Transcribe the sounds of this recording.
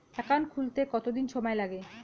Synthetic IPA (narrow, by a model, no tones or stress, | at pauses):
ɛkankʰult̪ekɔt̪od̪inʃɔmaelaɡe